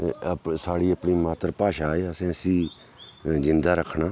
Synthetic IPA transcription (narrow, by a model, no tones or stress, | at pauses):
saːɽiːəpɳiːmaːt̪əɾpaːʃaːeːəsẽːəsĩː | zɪnd̪aːɾəkʰɳaː